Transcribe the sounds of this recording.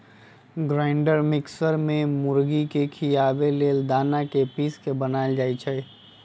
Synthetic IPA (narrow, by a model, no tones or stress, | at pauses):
ɡɾaɪɳɖəɾmɪksəɾmẽmʊɾɡikekʰiaːbeleːld̪aːnakepiːskebənaːeld͡ʒaːit͡ʃʰɛ